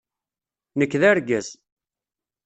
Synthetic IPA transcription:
nəkːðæɾɡæz

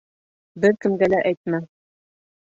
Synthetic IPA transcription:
bɘɾkɘ̆mɡælæʔæjt̪̚mæ

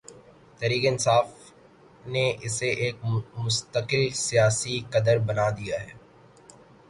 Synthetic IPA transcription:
t̪ɛːɾiːkeɪnsaːf | neɪseʔeːk̚mʊst̪əqɪlsijaːsikɐd̪əɾbɐnad̪ijaɦɛː

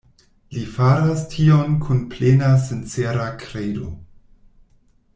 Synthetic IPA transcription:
lifaɾastʰio̞nkʰunplenasent͡seɾakʰɾejdo̰

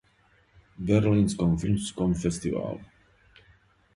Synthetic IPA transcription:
bɛɾlĩnskɔ̃mfinskɔ̃mfɛst̪iva̰lˠ

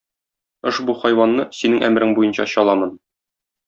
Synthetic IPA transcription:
oʃbuχɒjwɑnːɤsinɘŋʔæ̰mɾɘŋbujɤnɕɑ̰ɕɒlˠɑmɤn

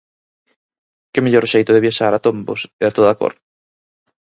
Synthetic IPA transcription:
kɪmeʎoɾʃejt̪ʊðeβjaʃaɾat̪ombo̰seat̪oðako̰ɾ

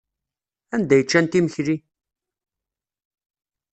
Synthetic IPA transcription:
ænd̪æjət͡ʃːænt̪iməçɾi

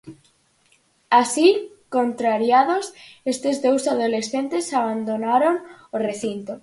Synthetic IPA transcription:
asi | kont̪ɾaɾjaðosest̪ezðowsaðolesθent̪esaβ̞and̪onaɾoŋoreθint̪o

